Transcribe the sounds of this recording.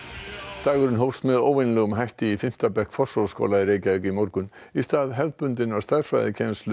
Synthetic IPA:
t̪aːɣʏɾʏnɦowfst̪mɛðoːwvɪnlɛɣʏmɦajht̪ɪifɪm̥t̪apɛhkfɔ̥sowlsko̰ːlaɪreːjcaekimɔɾkʏnist̪aːðɦɛvt̪̚pʏnt̪ɪnawst̪ḁfva̰jðɪcʰɛnslʏ

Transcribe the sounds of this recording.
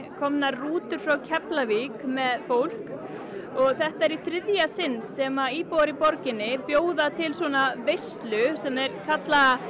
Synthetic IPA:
kʰɔmnarruːt̪ʏɾ̥fɾawcʰɛplavikmɛðfowl̥k | ɔɣθɛht̪aɛɾit̪ʰɾɪðjasɪnsːɛmaiːpowɾipɔɾcɪnːɪpjoːwðat̪ʰɪlswɔnavejst̪lʏsɛmɛɾkʰat̪la

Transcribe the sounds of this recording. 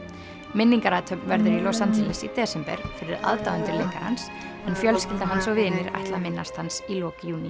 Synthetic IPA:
mɪnːiŋkaɾat̪ʰœpvɛɾðʏɾilɔsand͡ʒɛlɛsḭt̪ɛːsɪmpɛ̰ɾfɪɾɪða̰ðt̪awʏnt̪ɪlejkaha̰ns | ɛnfjœlscɪlt̪aɦansɔɣvɪːnːɪɾa̰jht̪laðmɪnːa̰st̪hansilɔːkjuːni

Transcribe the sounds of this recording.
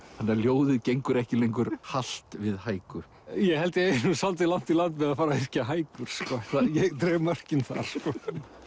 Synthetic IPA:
hanːaɾljoːwðɪðcejŋkʏɾɛhcɪlejŋkʏɾhal̥t̪vɪðhaːjkʏ | jɛɣhɛlt̪ɪejnʏmsalt̪̬ɪlan̥t̪ilant̪mɛðaðfaːɾaɛr̥caɦaːjkʏɾ̥skɔθajɛɣt̪ɾɛːmœr̥cɪnθa̰ɾ̥skɔ

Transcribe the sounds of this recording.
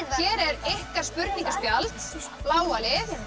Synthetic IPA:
ɛːɾɛɾehkaspʏɾt̪nĩŋkaspjalt̪ | plaːwalɪθ

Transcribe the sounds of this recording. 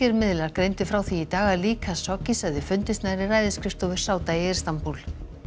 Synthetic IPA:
ɛɾmɪðlaɾkɾejnt̪ʏfɾawθiit̪aːɣaliːkʰasɔcisaðɪfʏnt̪ɪst̪najɾɪraːjðɪskɾɪft̪ɔvɪɾ̥saːwt̪aiɛɾ̥st̪ampul̥

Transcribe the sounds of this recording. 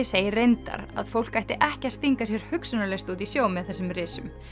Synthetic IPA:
ɪseːjɪrejnt̪a̰ɾa̰ðfowl̥kajht̪ɪʔɛhcast̪iŋkasjɛɾ̥hʏksʏnalɛst̪ut̪isjoːwmɪðθɛsʏmrɪːsʏm

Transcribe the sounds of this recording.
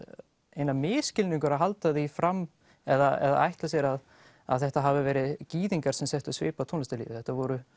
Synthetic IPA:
ejnamɪːscɪlniŋkʏɾaðɦalt̪aðifɾam | ɛðaɛ̰ða̰a̰jht̪lasjɛɾað | a̰ðθɛht̪aɦavɪvɛːɾɪðciːðiŋkaɾ̥sɛmsɛht̪ʏsvḛːpawt̪ʰownast̪alḭːvɪθɛht̪avɔɾʏ

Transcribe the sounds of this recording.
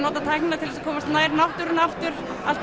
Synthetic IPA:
nɔːt̪at̪ʰajknat̪ʰɪlɛsakʰɔːmast̪naːjɾnawht̪ʏɾʏnaft̪ʏɾ̥ | alt̪

